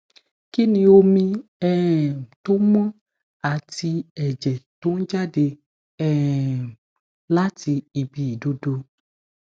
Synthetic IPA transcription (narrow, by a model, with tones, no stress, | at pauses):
ki˦nĩ˧o˧mĩ˧ɛ˦˨to˦mɔ̃˦ | a˨ti˧ɛ˨d͡ʒɛ˨to˨˦n̩˦d͡ʒa˦de˧ | ɛ˦˨ | la˦ti˧i˨bi˨i˨do˧do˧